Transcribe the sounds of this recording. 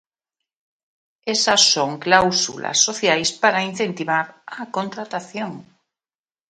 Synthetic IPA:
esasːoŋklawsṵla̰sːoθjajspaɾain̟θẽ̞nt̪iβ̞aɾakont̪ɾat̪aθjoŋ

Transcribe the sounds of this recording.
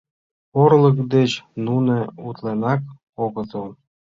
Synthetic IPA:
orləkd̪et͡ɕnuneut̪lenɑk | oɣət̪əl

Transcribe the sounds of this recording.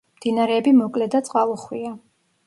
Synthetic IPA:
md̪̥inaɾɛːbimɔkʼlɛd̪at̪sʼqʼalˠɔχwia

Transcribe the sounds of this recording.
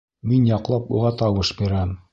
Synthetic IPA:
minjɑqlˠɑpuʁɑt̪ɑwɤʃbiɾæm

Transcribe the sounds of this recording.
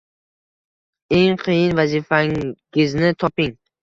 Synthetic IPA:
e̞ŋqʰɨjɪnvazifḁɪznɪt̪ʰɒpɪŋ

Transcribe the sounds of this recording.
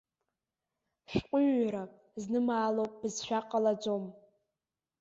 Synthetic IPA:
ʃqʷʼʊɥɾapʼ | znɨmaːlopʼb̥ɨzʃᶣaqʼalad͡ʒom

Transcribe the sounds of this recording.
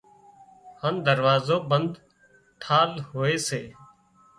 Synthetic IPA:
hənd̪əɾʋaːzoːbənd̪ | ʈʰaːlɦoːeːseː

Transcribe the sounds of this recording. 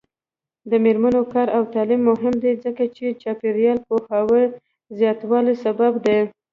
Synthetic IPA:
d̪əmeɾmanokɑɾawt̪ɑlimːʊɦɪmd̪ed͡zəkat͡ʃet͡ʃɑpeɾijɑlpohawəɾ | zjɑt̪wɑlesababd̪e

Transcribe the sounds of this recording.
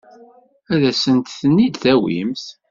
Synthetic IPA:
æðæsənt̪θənːid̪θæwḭmθ

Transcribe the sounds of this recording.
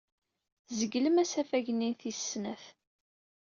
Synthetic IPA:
zəɡləmæsæfæʝninθisnæθ

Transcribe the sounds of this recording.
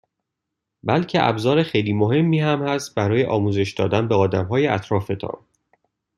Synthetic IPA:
bælcʰeʔæ̰bzɒːɾexejliːmo̞ɦe̞mːiːhæmhæst̪̚bæɾɒːje̞ʔɒːmuːze̞ʃd̪ɒːd̪ænbeɒːd̪æmɦɒːjeæ̰t̪ʰɾɒːfe̞t̪ʰɒ̰ːn

